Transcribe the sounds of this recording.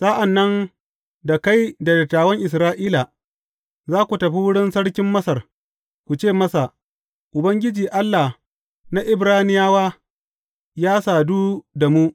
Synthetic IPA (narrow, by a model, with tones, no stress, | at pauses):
sa˦ʔa˨nːɐ˦n | da˨ka˦jda˨dɐ˨tːaː˨wɐ˦ŋʔɪ˨s̬ɾaː˦ʔiː˦la˨ | zaː˦kʷu˨tɐ˨ɸi˦wʊ˦ɽɪ˦nsɐ˦ɽkʲɪ˦mːɐ˦sɐ˨r | kʷu˨t͡ʃeː˦˨mɐ˦sa˨ | ʔʊ˨bɐ˦ŋɡʲɪ˦d͡ʒiː˨ʔa˦lːa˨ | na˦ʔɪ˨bɽaː˦nɪ˦jaː˦waː˦ | jaː˦saː˨duː˦da˨mu˦